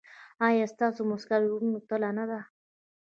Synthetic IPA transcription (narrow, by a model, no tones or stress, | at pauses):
ɑjast̪ɑsomʊskaɾunut̪əlanad̪a